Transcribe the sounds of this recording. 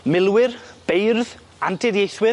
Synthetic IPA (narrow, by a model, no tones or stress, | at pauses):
mɪlˠwɪrb̥ejrð | antʰɪðjejθwɪ